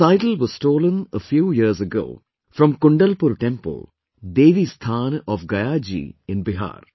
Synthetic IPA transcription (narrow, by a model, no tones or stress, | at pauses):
saɪʈlʋɔzstoːlə̃nəfjuːjiɾsɐɡo̰ː | fɾɐ̃mkuɳɖɐlpuɾʈẽmpə̰l | d̪eːʋist̪ʰaːnʔɔfɡɐjaːd͡ʑḭɪ̃nbɪɦa̰ːr